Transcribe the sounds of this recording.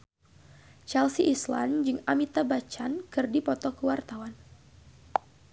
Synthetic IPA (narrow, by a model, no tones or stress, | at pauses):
t͡ʃɛlsiʔːsla̰nd͡ʒɨŋamit̪abat͡ʃankɨrdipɔt̪ɔkəwart̪awan